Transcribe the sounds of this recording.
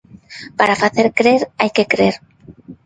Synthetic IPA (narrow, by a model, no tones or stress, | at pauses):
paɾafaθeɾkɾeɾajkekɾeɾ